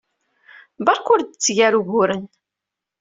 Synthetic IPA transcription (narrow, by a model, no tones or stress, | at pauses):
bɑɾˤkʊɾd̪ət͡sːʝæɾuʝʊɾən